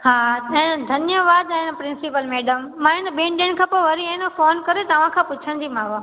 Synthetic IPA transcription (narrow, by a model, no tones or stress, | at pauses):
haːɐ̃ɪnd̪ʱɐnjəʋaːd̪ɛ̃ɪnpɾɪ̃nsɪpəlmeːɖəmːãːɪ̃nəɓẽːɳɖẽɽ̃kʰãːpoʋɐɾiẽnəfoːnkɐɾet̪ɐʋ̤ãkʰãːpʊt͡ɕʰəñd͡ʑiːmãɦo